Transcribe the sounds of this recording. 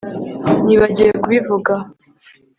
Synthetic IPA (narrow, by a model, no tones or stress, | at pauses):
niβaɟijekuβivuɡa